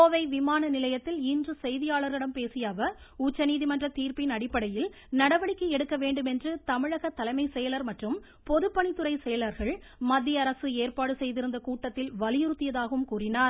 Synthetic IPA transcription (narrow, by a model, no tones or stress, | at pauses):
oːʋɐɪʋɪmaːnɐnɪlɐjɐt̪ːɪlɪndrɯsɛjðɪjaːɭɐɾɣɪɽɐmpeːsɪjaːʋɐʊt͡ʃːɐniːðimɐndrɐt̪iːɾpɪnɐɽɪpːɐɽɐjɪl | nɐɽɐʋɐɽɪkːɯɛɽɯkːɐʋeːɳɖɯmɛndrɯt̪ɐmɪɻɐɣɐt̪ːɐlɐɪmɐɪsɛjɐlɐɾmɐʈrɯm | pɔðɯpːɐɳɪt̪ːɯrɐɪsɛjɐlɐɾɣɐɭ | mɐd̪ːɪjɐɐɾɐsɯeːɾpaːɽɯsɛjðɪɾɯnd̪ɐkuːʈːɐt̪ːɪlʋɐlɪjɪɾɯt̪ːɪjɐðaːɣɐʋɯmkuːrɪnaːɾ